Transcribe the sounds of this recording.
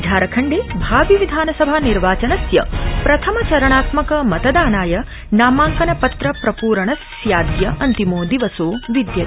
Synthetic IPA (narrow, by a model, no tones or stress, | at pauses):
d͡ʒʱaːɾɐkʰɐɳɖeːbʱaːʋiʋid̪ʱaːnɐsɐbʱaːniɾʋaːt͡ʃɐnɐsjɐ̰pɾɐt̪ʰɐmɐt͡ʃɐɾɐɳaːt̪mɐkɐmɐt̪ɐd̪aːnaːjɐ | naːmaːŋkɐnɐpɐt̪ɾɐpɾɐpuːɾɐɳɐs | jaːd̪jɐʔɐnt̪imoːd̪iʋɐsoːʋid̪jɐ